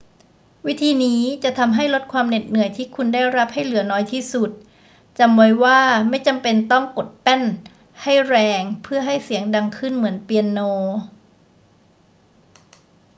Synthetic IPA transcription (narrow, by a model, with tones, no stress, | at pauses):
wi˦˥t̪ʰiː˧niː˦˥t͡ɕa˨˩t̪ʰa˧mɦa˥˩jlo˦˥t̪̚kʰwaː˧mne˨˩t̪̚nɯ˨˩˦əjt̪ʰiː˥˩kʰu˧ndaː˥˩jɾa˦˥p̚ha˥˩jlɯ˩˦ɐnɔː˦˥jt̪ʰiː˥˩su˨˩t̪̚ | t͡ɕa˧mwa˧jwaː˥˩ma˥˩jt͡ɕa˧mpe˧nt̪ɔ˥˩ŋko˨˩t̪̚pɛ˥˩n | ha˥˩jɾɛː˧ŋpʰɯ˥˩ɐɦa˥˩jsi˩˦əŋda˧ŋkʰɯ˥˩nmɯ˩˦ənpi˧ə˧nːoː˧